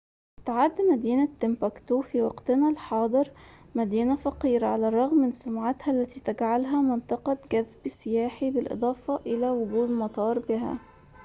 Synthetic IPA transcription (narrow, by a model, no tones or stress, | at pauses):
t̪aʕad̪ːmæd̪iːnat̪ːɪmpækt̪ufiwɑqt̪ɪnalħɑːd̪ˤɨɾ | mæd̪iːnæfɑqiːɾaʕalærˤːɑɣmːɪnsʊmʕat̪hæʔlːæt̪iːt̪æɡʕalɦæmɪnt̪ˤɨqɑɡæðbsɪjaːħibɪlʔɨ̰d̪ˤɑːfɑʔɪlæwʊɡuːd̪mɑt̪ˤɑːɾˤbɪɦæ̰